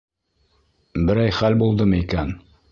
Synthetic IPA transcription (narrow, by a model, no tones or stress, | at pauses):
bɘ̆ɾæjχælbulˠd̪ɤmɤikæn